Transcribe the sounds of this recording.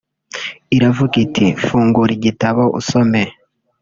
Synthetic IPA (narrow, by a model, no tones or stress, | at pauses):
iɾavukitʰifuːŋɡuɾiɟitaβo̞ʔṵsome